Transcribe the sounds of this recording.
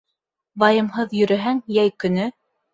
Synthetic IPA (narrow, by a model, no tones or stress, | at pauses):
bɑjɤ̆mɦɤðjɵ̆ɾɘ̆ɦæŋjæjkɵ̆nɘ